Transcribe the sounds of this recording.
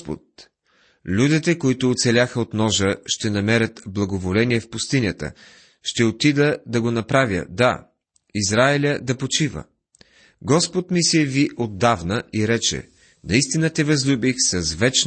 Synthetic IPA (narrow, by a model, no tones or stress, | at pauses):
po̰t̪̚ | lʲud̪it̪ɛkoit̪ʊːt̪sɛlʲaxəot̪nɔʒəʃt̪ɛnɐmɛɾʲət̪blˠɐɡovolɛniɛfpʊst̪inʲət̪ə̰ | ʃt̪ɛot̪id̪əd̪ɐɡonɐpɾavjə̰d̪a | izɾaɛlʲəd̪ɐpot͡ʃivə̰ | ɡɔspot̪misiviʔod̪ːavnəʔiɾɛt͡ʃɛ̰ | nɐist̪inət̪ɛvɐzlʲubixsɐzvɛt͡ʃ